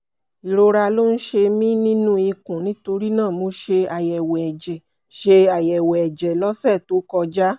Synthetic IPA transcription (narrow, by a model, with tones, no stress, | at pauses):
i˨ɾo˧˦ɾa˧lo˦n̩˦ʃe˧mĩ˦nĩ˦nũ˦i˧kũ˨nĩ˦to˧ɾi˦nãː˦˨mõ˨˦ʃe˧a˨jɛ˨wɛ˨ɛ˨d͡ʒɛ˨ | ʃe˧a˨jɛ˨wɛ˨ɛ˨d͡ʒɛ˨lɔ˦sɛ˦˨to˨˦kɔ˧d͡ʒa˦